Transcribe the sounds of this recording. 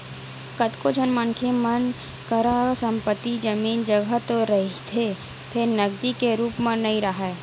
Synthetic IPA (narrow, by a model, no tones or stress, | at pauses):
kət̪kod͡ʒʰʱənmənkʰemən | kəɾasə̃mpət̪ːid͡ʒəmiːnd͡ʒəɡʱət̪oɾəɦit̪ʰe | pʰeɾnəɡd̪ikeɾuːpmẽnəĩɾəɦa